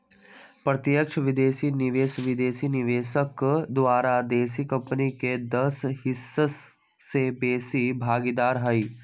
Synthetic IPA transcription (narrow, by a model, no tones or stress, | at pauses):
pɾɐt̪jəkʃəʋɪd̪eːsinɪʋeːʃʋɪd̪eːsiːnɪʋeːʃəkd̪ʋaːɾad̪eːs̬iːkɐ̃mpəniked̪ɐshɪsːəː | ebeːsibʱaːɡid̪aːɾɦɐi